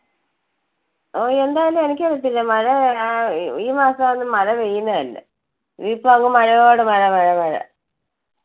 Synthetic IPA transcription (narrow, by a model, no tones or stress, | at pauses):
oːe̞nd̪aːjɐlume̞nikʲːerut̪ːilːɐmɐɻɐ | iːmaːsɐonːɨmɐɻɐʋejːunːɐðɐlːɐ̰ | ʋiːpːoɐŋɡumɐɻɐjoːɽemɐɻɐmɐɻɐmɐɻɐ̰